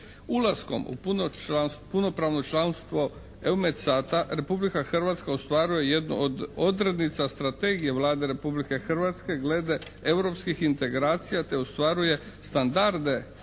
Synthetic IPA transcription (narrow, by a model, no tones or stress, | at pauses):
ulasko̞̰mṵpunoanspuno̞pɾaːʋno̞t͡ʃlanst̪ʋo̞ | eumet̪saːt̪aɾe̞publikaxr̩ʋat̪skaost̪ʋaɾuje̞je̞d̪no̰ʔod̪o̞d̪ɾe̞d̪nit̪sast̪ɾat̪eɡije̞ʋlˠaːd̪e̞ɾe̞publike̞xrʋat̪ske̞ɡle̞d̪e̞ | ewɾo̞pskixint̪e̞ɡɾaːt̪sijat̪e̞ost̪ʋaɾuje̞ | st̪and̪aɾd̪e̞